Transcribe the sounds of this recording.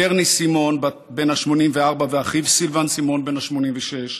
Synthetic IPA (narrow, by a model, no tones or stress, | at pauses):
eʁnisimo̞nba | be̞naʃmo̞nimveaʁbaveaχivsilvansimo̞nbe̞naʃmo̞nimveʃeʃ